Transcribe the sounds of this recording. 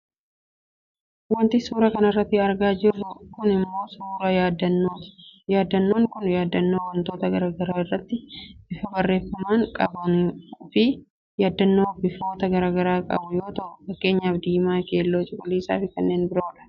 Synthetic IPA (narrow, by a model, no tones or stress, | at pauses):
wɐnt̪ɪsuːɾɐkɐnɐrːɐt̪ːɪɐɾɡaːd͡ʒɪrːʊkʊnɪmːo̞ːsuːɾɐjaːd̪ɐojaːd̪ːɐnːoːŋkʊnjaːd̪ːɐnːoːwɐnt̪o̞ːt̪ɐɡɐɾaːɡɐɾaːɪrːɐt̪ːɪɪfɐbɐrːe̞ːfːɐmaːŋkʼɐ̰bɐnfɪ | jaːd̪ːɐnːoːhɔbɪfoːt̪ɐɡɐɾaːɡɐɾaːkʼɐ̰bʊjo̞ːt̪ɐʔʊfɐkːe̞ːɲːɐːbd̪iːɪmaːke̞ːlːoːt͡ʃʼɪkʼʊliːsa̰ːfɪkɐnːe̞ːnbɪɾo̞ːᶑɐ̥